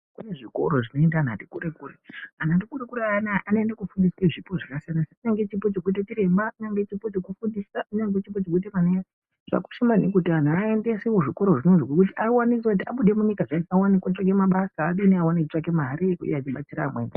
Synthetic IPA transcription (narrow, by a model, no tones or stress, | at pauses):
kune̞ʐiko̞̰ɾoʐino̞endaːna̰tikuɾekureanatikuɾekuɾeanaʔanoendakufundiskweʐipo̞ʐakasijanaseuɲaŋɡe̞t͡ʃipot͡ʃekuitat͡ʃiɾe̞mbauɲaŋɡet͡ʃipo̞t͡ʃekufundisauɲaŋɡet͡ʃip̬o̞t͡ʃek̬uitemanea | ʐ̥a̰ku̥ʃimanekutian̤uaendesiwoʐiko̞ɾo̞ʐinonzokwekutiʔawanisekutia̰ɓuɗe̞muɲikaʐaiawanikwaʈ͡ʂak̬e̞maɓasaːɗiniawanekut͡ʂake̞maɾiṵjeat͡ʃiɓat͡siɾamweːna